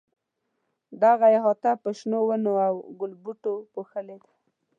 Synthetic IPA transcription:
d̪aɣaeɦɑt̪apəʃnowənoawɡʊlbuʈopoxəled̪ḁ

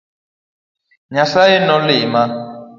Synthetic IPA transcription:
ɲasaenɔlima

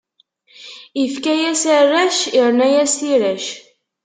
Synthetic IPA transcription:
ifkæjæsərːæʃiɾnæjæsiɾæʃ

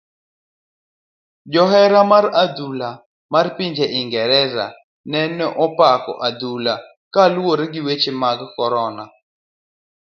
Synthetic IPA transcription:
d͡ʒɔɦɛɾamarad̪ula | marpiɲd͡ʒeʔɪŋɡɛɾɛza̰ | nɛnɔʔɔpakɔ̰ʔad̪ula | kalwoɾɡɪwet͡ʃemaɡkɔɾɔna

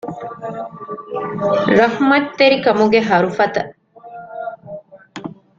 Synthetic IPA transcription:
ɾɐhmɐt̪ːeɾikɐmuɡeɦɐɾufɐt̪ɐ

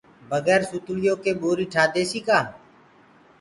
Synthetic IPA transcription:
bəɡɛːɾsʊt̪lɪjoːkeːɓoːɾiːʈʰaːd̪eːsiːkaː

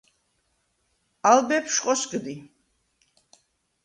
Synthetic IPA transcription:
albɛpʰʃqʼɔsɡd̪i

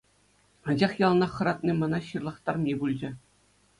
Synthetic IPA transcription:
ɑnd͡ʑɑχjɑlˠnɑχɤ̆ɾɑt̪̚nɨmɑnɑɕɯrlˠɤ̆χt̪ɑrmʲibulʲd͡ʑɘ̆

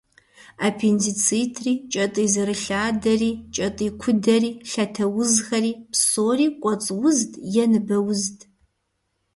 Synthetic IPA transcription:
aːpʰenzit͡sʰitʰriːt͡ʃʼɐtʼiːzɨɾɨɬaːdɐriːt͡ʃʼɐtʼiːkʷʰʊdɐriːɬɐtʰɐwʊzxɐɾiːpsoːriːkʷʼɔt͡sʼwʊzdʼjɛnɨbɐwʊztʰʼ

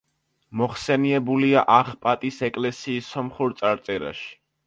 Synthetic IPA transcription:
mɔχsɛniɛbuliaʔaχpʼat̪ʼisɛkʼlɛsiːsɔmχuɾt̪sʼaɾt̪sʼɛɾa̰ʃi̥

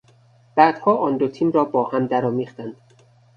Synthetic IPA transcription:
b̥æːd̪̥hɒːʔɒːnd̪ot̪ʰiːmɾɒːbɒːhæmd̪æɾɒːmiːχt̪ænd̪̥

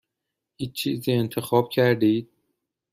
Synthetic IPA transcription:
iːt͡ʃʰiːziːe̞nt̪ʰe̞xɒːb̥cʰæɾd̪iːd̪̥̚

